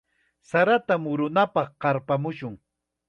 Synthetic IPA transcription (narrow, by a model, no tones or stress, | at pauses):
saɾat̪amʊɾʊnapɑχqɑɾpamʊʃʊŋ